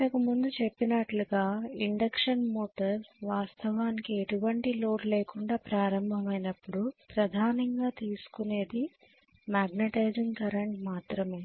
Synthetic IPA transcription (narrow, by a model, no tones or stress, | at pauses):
ɐkumund̪ut͡ʃe̞pːinɐʈluɡaːiɳɖɐkʂɐnmoːʈɐɾsʋaːst̪ʰɐʋaːnikieʈuʋɐɳʈilo̞ːɽleːkuɳɖaːpɾaːɾɐmbʱɐmɐjnɐpːuɽupɾɐd̪ʱaːnɐŋɡaːt̪iːsu̥kune̞ːd̪i | maːɡneʈɐjd͡ʒiŋkɐɾɐɳʈmaːt̪ɾɐmeː